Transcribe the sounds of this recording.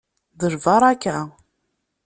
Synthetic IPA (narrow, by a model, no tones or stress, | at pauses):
ðəʒvɑɾˤakːæ